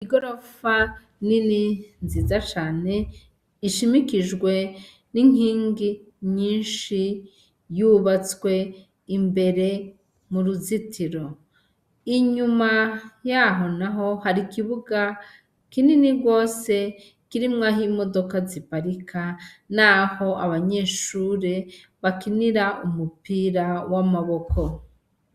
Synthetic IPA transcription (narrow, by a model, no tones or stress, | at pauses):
iɡo̞ɾo̞fa | nininzizat͡ʃaːne̞ | iʃimikiʒɡwe̞ | niŋ̥iːŋɡi | ɲiːnʃi | juβat͡swe̞ | imbe̞ɾe̞ | muɾuzitʰiɾo̞ | iɲumajaːɦo̞naɦo̞haɾikiβuɡa | kininiɡwo̞ːse̞ | kiɾimŋaːɦimo̞do̞kazipaɾikʰanaho̞ʔaβaɲe̞ːʃuːɾe̞βakiniɾaʔumupiːɾawamaβo̞kʰo̞